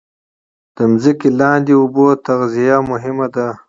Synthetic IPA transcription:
d̪̥əmzikilɑːnd̪iʊbot̪aɣzijamʊɦɪmad̪a

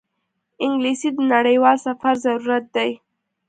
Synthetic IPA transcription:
ɪŋɡlisid̪ənaɽəjwɑlsafaɾzaɾuɾat̪̚d̪aj

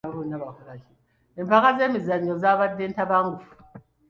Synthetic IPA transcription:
aβunaβakuɾaki | empakazemizaɲːɔzaβadentaβaŋɡu

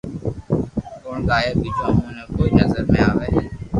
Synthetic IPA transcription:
koːɳɡaːjeːbiːd͡ʒãːɦõːnɛ̃ːkoːinəzəɾmẽːaːʋeː

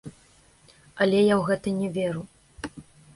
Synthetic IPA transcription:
ɐlʲɛjawɣɛt̪ɨnʲɛvʲɛɾu

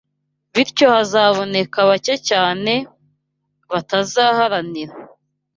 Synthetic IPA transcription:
βiɾco̞hazaːβo̞ne̞kaβacecaːne̞ | βatazaːhaɾaniɾa

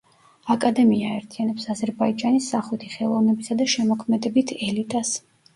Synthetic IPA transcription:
akʼad̪ɛmiaɛɾt̪ʰianɛpsazɛɾbaid͡ʒanisːaχut̪ʰiχɛlˠɔvnɛbisad̪aʃɛmɔkʰmɛd̪ɛbit̪ʰɛlit̪ʼas

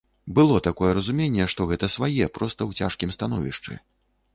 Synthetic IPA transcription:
bɨlˠɔt̪akɔjɛɾɐzumʲenʲːɛʂt̪ɔɣɛt̪ɐsvajɛpɾɔst̪ɐwt͡sʲa̰ʂkʲimst̪anɔvʲiʂt͡ʂɨ̰

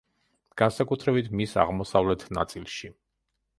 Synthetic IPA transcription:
ɡ̥ansakʼut̪ʰɾɛbit̪ʰmisa̰ʁmɔsavlɛt̪ʰna̰t̪sʼilˠʃi

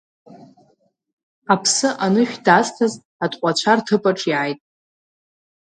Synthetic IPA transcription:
apʰsɨʔanɨʃᶣdaztʰaz | atʼqʷʼat͡ɕʷʰartʰɨpʼaʈ͡ʂʼjaajtʼ

